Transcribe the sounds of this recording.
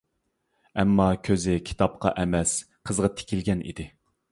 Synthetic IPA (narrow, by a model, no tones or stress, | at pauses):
ɛmːɑkʲʰøzɪkʲʰi̥t̪ʰɑp̚qɑ̰ʔɛmɛs | qʰəzʁɑt̪ʰe̥kʲʰilɡʲɛnʔḭd̪ɪ